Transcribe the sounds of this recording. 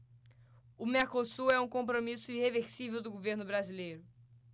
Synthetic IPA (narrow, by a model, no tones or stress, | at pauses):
ʊmeɾkosuɛũkõp̬ɾomisʊiheveɾsivewd̪ʊɡoveɾnʊbɾazilejɾʊ